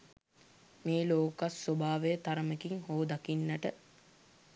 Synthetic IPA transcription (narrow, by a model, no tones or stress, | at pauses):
meːloːkasːobaːʋejət̪aɾəmekiŋhoːd̪akinːəʈə